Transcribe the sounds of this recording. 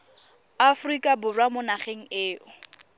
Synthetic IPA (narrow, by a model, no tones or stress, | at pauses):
afrikʼabʊrwamʊnaχeŋ̩eːʊ